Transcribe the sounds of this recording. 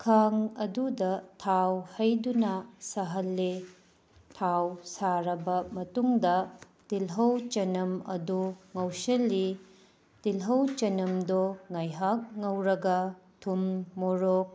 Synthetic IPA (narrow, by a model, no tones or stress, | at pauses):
kʰaŋɐdudɐtʰawhɐjdunɐsɐɦɐlːe | tʰawsaɾɐbɐmɐtuŋdɐ | d̥ilɦɐwt͡ʃɐnɐmɐ̰duŋɐwsɐlːi | d̥ilɦɐwt͡ʃɐnɐmdoŋajɦak̚ŋɐwɾɐɡɐtʰummoɾok̚